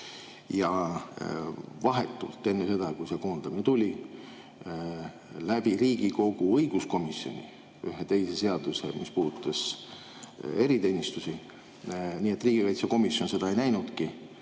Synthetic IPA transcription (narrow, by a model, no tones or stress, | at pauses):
jɑ | vɑɦe̞t̪ːˑṵlt̪ːˑe̞nːese̞d̪̥ɑkujse̞ko̞ːnd̪̥ɑminet̪ulʲi | læb̥iɾiːɡ̥iko̞ɡ̥uɤjɡ̥usko̞misjo̞̰nʲi | yɦet̪e̞jse̞se̞ɑd̪̥usḛmispuːd̪ut̪ːˑɑs | e̞ɾit̪e̞ːnʲist̪usi | niːe̞t̪ːˑriːɡ̥ivɑjt̪sɑko̞misjo̞nse̞d̪ɑejnæjnud̪̥ki